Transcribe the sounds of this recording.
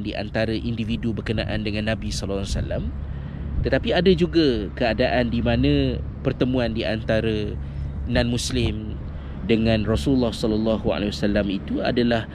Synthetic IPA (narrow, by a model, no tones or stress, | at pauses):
ndiʔa̰nt̪aɾaʔindividubərkənã̰ʔa̰ndəŋãnːãbisɔlɔsa̰lam | t̪ət̪apiadad͡ʒuɡakəadaʔandimanə̃ | pərt̪əmũandiʔa̰nt̪aɾə | nãnmũslɪm | dəŋãnrɔsulːahsɔləlːaɦua̰lewasalamit̪ua̰dalah